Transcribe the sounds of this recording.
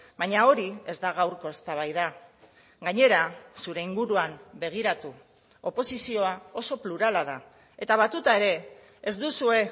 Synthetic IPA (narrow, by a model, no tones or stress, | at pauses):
baɲao̞ɾie̞zd̪aɣ̞awɾko̞e̞st̪aβ̞ajða | ɡaɲe̞ɾasuɾe̞iŋɡuɾuambe̞ɣ̞iɾat̪u | o̞po̞sisio̞ao̞so̞pluɾalað̞a | e̞t̪aβat̪ut̪ae̞ɾe̞ː | zd̪usue̞